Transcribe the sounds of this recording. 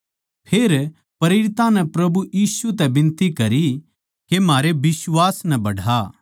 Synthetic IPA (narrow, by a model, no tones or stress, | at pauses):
pʰeːɾ | pɐɾeːɾɪt̪ãnɛpɾɐbujiːsut̪̬ɛbɪ̃nt̪ikɐɾi | kemaːɾebɪsʋaːsnɛbɐɽa